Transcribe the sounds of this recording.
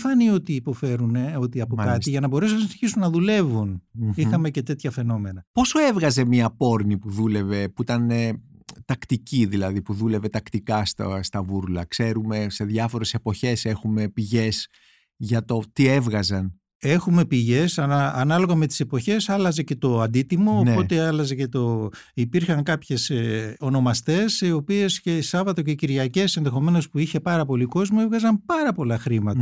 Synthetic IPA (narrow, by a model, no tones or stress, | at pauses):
fɐnio̞t̪iːpo̞fe̞ɾune̞o̞t̪iɐpokɐtsiʝɐnɐbo̞ɾes̬unɐsiniçisunːɐðule̞vunixɐme̞ce̞t̪e̞t̪çɐfe̞no̞me̞nɐpo̞soe̞vɣɐze̞miɐpo̞ɾnipuðule̞ve̞puit̪ɐnet̪ɐkt̪iciðilɐðipuðule̞ve̞t̪ɐkt̪ikɐst̪ɐst̪ɐvuɾlɐkse̞ɾume̞se̞ðʝɐfo̞ɾe̞se̞po̞çe̞se̞xume̞piʝe̞s | ʝɐt̪o̞t̪ie̞vɣɐzɐn | e̞xume̞piʝe̞sɐɐːnɐlo̞ɣɐme̞t̪i̥se̞po̞çe̞sɐlɐze̞ce̞t̪o̞ɐnd̪it̪imo̞oːnpo̞t̪e̞ɐlɐzece̞t̪o̞ | ipiɾçɐŋkɐpçe̞so̞no̞mɐst̪e̞sio̞pie̞sce̞sɐvɐt̪o̞ce̞ciɾʝɐce̞se̞nðe̞xo̞me̞no̞spuiçe̞pɐɾɐpo̞liko̞zmoevɣɐzɐmpɐɾɐpo̞lɐxɾimɐt̪ɐ